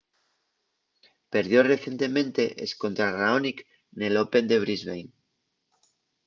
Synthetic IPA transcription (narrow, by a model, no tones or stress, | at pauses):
pe̞ɾðjo̞re̞θje̞nt̪e̞mẽ̞nt̪e̞ʔesko̞nt̪ɾaraonik | nelope̞nd̪e̞β̞ɾizβejn